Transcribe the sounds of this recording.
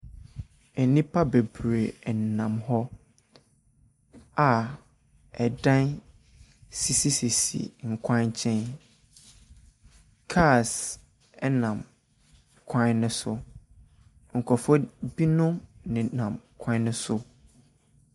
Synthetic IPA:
ɛ˨nĩ˦pʰa˦be˨bɾe˨n˨nã˨mhɔ˦ | a˨ | ɛ˨dã˦n | si˦˨si˦si˨sḭ˨ŋ̩˨kʷʰã˦nt͡ɕʰɛ̃˦n | kʰa˦˨s | ɛ˦nã˨m | kʷʰã˦nʊ̃˦sʊ˦ | ŋ̩˨kʷʰɔ˨fɔ˦bi˦nʊ̃˦mnɪ̃˨nã˨mkʷʰã˦nʊ̃˦sʊ˦

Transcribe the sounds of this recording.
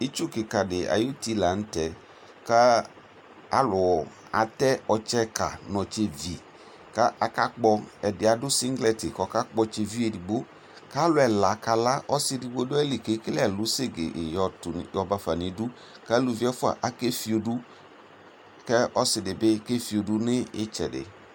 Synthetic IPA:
i˦t͡ʃu˦kɪ˨ka˨dɪ˨a̰˨ju˦ti˦la˨n̩˦tɛ˨ | ka˦ | a˦lʊ˨ | a̰˨tɛ˦ɔ˨t͡ʃɛ˦ka̰˨nɔ̃˨t͡ʃe˦vi˨ | ka˦a˨ka˦k͡pɔ˦ɛ˨dɪ˨a˨dʊ˦si˦ŋɡlɛ˦tɪ˨kɔ˨˦ka˦k͡pɔ˦t͡ʃe˨vi˦e˨di˨ɡ͡bo˦ | ka˦lʊ˨ɛ˨la˨ka˨la˦ʔɔ˦sɪ˨˦di˨ɡ͡bo˦dʊ˦ɛ˦li˨ke˨˦klɛ˨lʊ˨˦se˦ɡḛ˨ʔjɔ˨tʊ˨n˨jɔ˨ba˦fa˨ni˨˦du˦ | ka˦lu˨vi˨˦ɛ˦fʊ˦a̰˨ʔa˨ke˦fi˨o˨du˦ | kɛ˦ɔ˦sɪ˨dɪ˨bɪ˦ke˦fi˨o˨du˦nɪ˦ɪ˦t͡ʃɛ̰˨dɪ̰˨

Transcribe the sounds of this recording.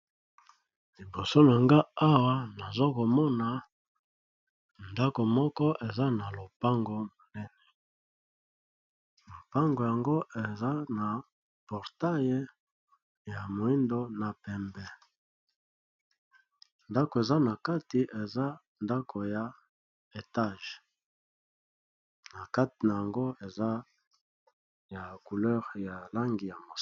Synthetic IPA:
li˨bo˨so˦n˨a˨ŋɡa˦a˦wa˦na˨zo˦ko˨mɔ˦na˨ | nda˦ko˨mɔ˦kɔ˦ʔe˨za˦na˨lo˨pa˦ŋɡo˨mo˨nɛ˦nɛ˨ | lo˨pa˦ŋɡo˨ja˨ŋɡo˦e˨za˦na˨ | pɔ˨ʁta˦je˦ | ja˨mo˨i˦ndo˦na˨pɛ˨mbɛ˨ | nda˦ko˨e˨za˦na˨ka˦ti˨ʔe˨za˦ | nda˦kʰo˨ja˨ | e˨ta˦ʒ | na˨ka˦ti˨na˨ja˨ŋɡo˦e˨za˦ | ja˨ku˨lɛ˦ʁja˨la˦ŋɡi˨ja˨mo˨

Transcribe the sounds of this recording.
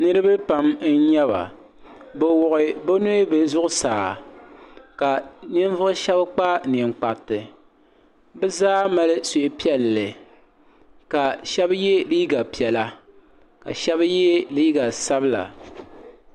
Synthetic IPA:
nɨ˦ɾɨ˦bɨ˦pa˨mn̩˦ɲɛ˦βa̰˨ | bɛ˨wʊ˨ʔɪ˨bo˦no˦be˨zʊ˦ʔʊ˦saː˨ | ka˨nɪ˦n˦vʊ˦ɨ˦ʃɛ˦bk͡pa˦ni˨ŋ͡mk͡pa˨ʔtɨ˨ | bɨ˦zaː˦ma˦lɨ˦so˨ʔe˨pi˦ɛ˨lːɨ˨ | ka˨ʃɛ˦bjɛ˦liː˦ɡa˨pi˨ɛ˨la˦ | ka̰˨ʃɛ˦bjɛ˦liː˦ɡa˨sa˦bɨ˦la̰˨

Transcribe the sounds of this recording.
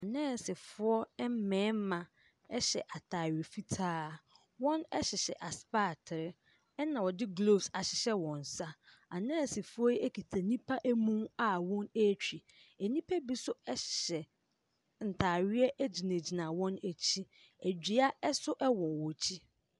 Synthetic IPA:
a˨nɛ̃ː˦˨sɪ˨fʊ˦ɔ˦ɛ˦m̩˦mɛ̃ː˨˦m̩˦mã˨ | ɛ˦ɕɛ̰˨ʔa˨tʰaː˨ɥɪ˨e˨fi˦tʰaː˦˨ | wɔ̃˦nɛ˦ɕɪ˨ɕɛ̰˨ʔa˨spaː˦˨tʰɪ˨ɾɪ˦ | ɛ˦nã˨wɔ˨dɪ˦ɡlo˦˨bsa˨ɕɪ˨ɕɛ˦wɔ̃˨n̩˨sa˦ | a˨nɛ̃ː˦˨sɪ˨fʊ˦ɔ˦e˦kʰi˨tʰa˨nĩ˦pʰa˦ʔæ˦mũ˦ma˨wɔ̃˦ne˦t͡ɕʰᶣi˨ | æ˨nĩ˦pʰæ˦bi˦sʊ˦ɛ˦ɕɪ̥˨ɕɛ˨ | n̩˨tʰaː˨ɥɪ˦ɛ˦ʔæ˦d͡ʑi˨nẽ˨d͡ʑi˨nã˨wɔ̃˦næ˨t͡ɕʰi˦ | æ˨d͡ʑᶣi˨a˦ɛ˦sʊ˦ʔɛ˦wɔ˨wɔ˨t͡ɕʰi˦

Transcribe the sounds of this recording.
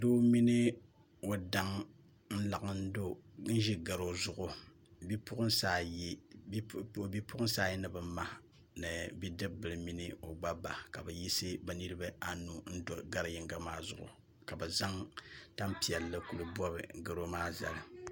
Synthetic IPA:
do˦mi˦nɨ˦ | o˨da˦ŋ | n̩˦la˨ʔɨ˦n̩˦do˦n̩˦ʒi˦ɡa˨ɾo˦zʊ˦ʔʊ˨ | bi˦pʊ˦ʔʊ˦n˦saː˦˨ji˦˨ | bi˦pʊ˦ʔʊ˦n˦saː˦ji˦nɨ˨bɨ˨ma˦ | nɨ˨bi˦dɨ˦bɨ˨lɨ˨mi˦nɨ˦o˨ɡ͡ba˦ba˨ka̰˨bɨ˨ji˦sɨ˦ba˨ni˦ɾɨ˦ba˦a˦nu˨n̩˦do˨ɡa˦ɾɨ˨jɪ˨ŋɡa˦maː˦zʊ̰˨ʔʊ̰˨ | ka˨bɨ˨za˦ŋta˦mpi˨ɛ˨lːɨ˦ku˨lɨ˨bɔ˦bɨ̰˨ɡa˨ɾo˦maː˦za̰˨lɨ˨

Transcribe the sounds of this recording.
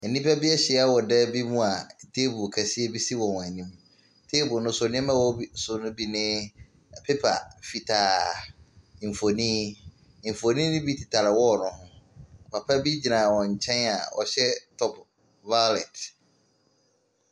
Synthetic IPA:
ɛ˨nĩ˦pʰa˦bi˦ɛ˦ɕɪ˨˦a˦wɔ˨dɛ˦bi˦mũ˦a˨tʰe˦bʊ˨kʰæ˨si˦e˦bi˦si˦wɔ̃˨n˨a˨nĩ˦m | tʰe˦bʊ˨nʊ̃˦sʊ˨nɪ̃˦ɛ˦mã˦wɔ˦bi˦sʊ˨nʊ̃˦bi˦nɪ̃˦˨ | pʰe˦pʰa̰˨fi˨tʰaː˨ | ɱ̩˨fo˨nĩ˦˨ | ɱ̩˨fo˨nĩ˦nʊ̃˦bi˦tʰi˨tʰa˨ɾɪ˨wɔ˦˨nʊ̃˦hʊ̃˦˨pʰa˨pʰa˦bi˦d͡ʑi˨nã˨wɔ̃˨ɲ̩˨t͡ɕʰɛ̃˦na̰˨wɔ̰˨ɕɛ˦tʰɔ˦pʰ | va˦lɛ˨t

